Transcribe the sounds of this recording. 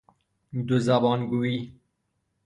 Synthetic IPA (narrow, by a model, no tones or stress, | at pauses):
d̪uzabɑːnɡuiː